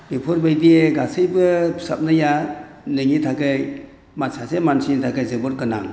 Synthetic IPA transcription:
bipʰɔɾbajdieɡasɯjbɯsap̚nɯja | nɯŋitʰakɯj | masasemansitʰakɯjzɯbɯɾkɯna̰ŋ

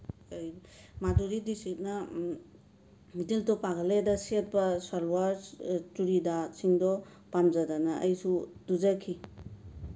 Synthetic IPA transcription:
jmaduɾidisit̚na | mitiltɔpaɡaledaset̚bɐsalwaɾtuɾidasiŋdɔ | pamzadanaʔɐjsuduzakʰi

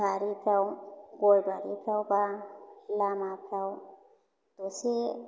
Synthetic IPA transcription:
baɾipʰɾawɡɔjbaɾipʰɾawbalamapʰɾaw | d̥ɔse

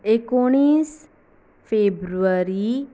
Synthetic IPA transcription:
ekuɳ̃iːs | fʰeːbɾuaɾi

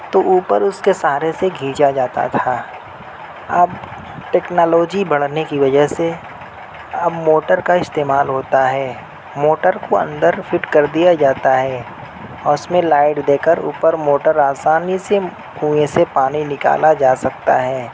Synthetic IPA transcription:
t̪oʔuːpəɾʊskesaːɾeseɡʱiːd͡ʒad͡ʒaːt̪a̰t̪ʰaː | ɐb | ʈɛːknaːloːd͡ʒibɐɽ̤nekiʋɐd͡ʒəɦse | ɐbmoːʈəɾkaɪst̪eːmaːlɦoːt̪aɦɛː | moːʈəɾkoɐ̰̃nd̪əɾfʰɪʈkɐɾd̪ijad͡ʒaːt̪aɦɛː | ɔːɾʊsmẽlaːɪʈd̪eːkəɾṵːpəɾmoːʈəɾaːsaːnise | uesepaːninɪka̰ːlad͡ʒaːsɐkt̪a̰ɦɛː

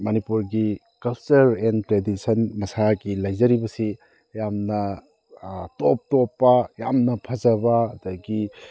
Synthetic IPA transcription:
mɐnipuɾɡi | kɐlt͡ʃɐɾentɾedisɐnmɐsaɡilɐjzɐɾibɐsi | jamnɐ | top̚topːɐjamnɐpʰɐzɐbɐːdɐɡi

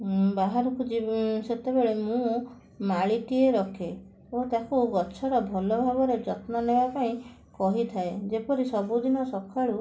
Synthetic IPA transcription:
baɦaɾɔkʰud͡ʒiset̪ebeɭemũ | maɭiʈieɾɔkʰe | ot̪akuɡɔt͡ʃʰɔɾɔbʱɔlɔbʱaɡɔɾed͡ʒɔt̪nɔnebapaĩ | kɔɦit̪ʰaed͡ʒepɔɾisɔbud̪inɔsɔkʰːaɭu

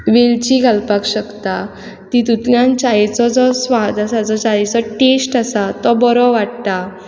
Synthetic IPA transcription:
ʋelt͡ɕiɡʱalpakɕəkt̪a | t̪it̪ut̪ljãnt͡ɕaɦet͡sɔd͡zɔsʋad̪asad͡zɔt͡ɕaet͡sɔʈesʈasat̪ɔbɔɾɔʋaɽt̪a

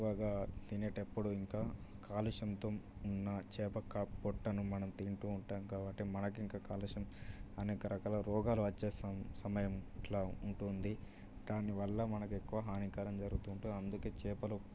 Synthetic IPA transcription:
ʋaːɡaːt̪inɐʈepːuɽuiŋkaːkaːluʂɐnt̪ɐmunːɐt͡ʃɛːpɐkaːppɔʈːɐnumɐnɐmt̪iɳʈuːɳʈaːmkaːʋɐʈemɐnɐkiŋkaːkaːluʂɐmɐnɛːkɐɾɐkaːlɐɾɔːɡaːluɐt͡ʃːeːsɐmsɐmɐjɐmʈlaːuɳʈund̪i | d̪aːniʋɐlːɐmɐnɐkuekːuʋɐɦaːnikaːɾɐmd͡ʒɐɾuɡut̪uɳʈuɐnd̪uke̞ːt͡ʃɛːpɐlu

